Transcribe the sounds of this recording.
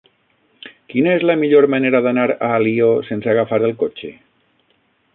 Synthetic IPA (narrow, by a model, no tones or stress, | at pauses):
kinaezlamiʎoɾmaneɾaðanaɾaːliosenseaɣafaɾelˠkot͡ʃe